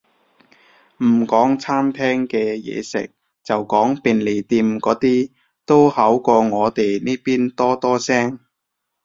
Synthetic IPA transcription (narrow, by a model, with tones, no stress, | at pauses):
m̩˨˩kɔː˨˥ŋt͡sʰaː˥mt̪ʰɛː˥ŋkɛː˧jɛ̰ː˨˧sɪ̰˨k̚ | t͡sɐ˨wkɔː˨˥ŋpiː˨˧nle˨˩jt̪iː˧mkɔː˨˥t̪iː˥ | t̪o˥whɐ˨˥wkɔː˧ŋɔː˨˧t̪e˨jniː˥piː˥nt̪ɔː˥t̪ɔː˥sɛː˥ŋ